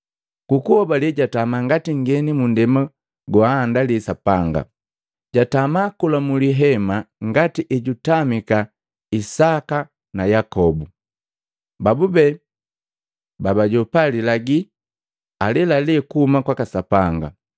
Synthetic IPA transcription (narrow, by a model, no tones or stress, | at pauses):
kukuhɔbalɛɟatamaŋɡatiŋɡɛnimundɛma | ɡwaːndalisapaŋɡa̰ | ɟatamakulamuliɦɛmaŋɡatiʔɛɟutamika | isaka | najakɔbu | babubɛ | babaɟɔpalilaɡi | alɛlaliɛkuhumakwakasapaŋɡa̰